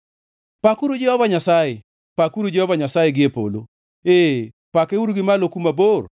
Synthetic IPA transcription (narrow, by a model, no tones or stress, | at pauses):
pakuɾud͡ʒɛhɔvaɲasaje | pakuɾud͡ʒɛhɔvaɲasajeɡɪepo̰lo̰ | e | pakeuɾɡɪmalokumabor